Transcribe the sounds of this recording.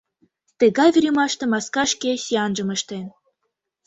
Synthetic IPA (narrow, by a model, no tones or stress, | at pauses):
t̪ə̆ɣɑjvʲiɾʲemɑʃt̪ĕmɑskɑʃkesiɑnʒɤ̆mə̆ʃt̪en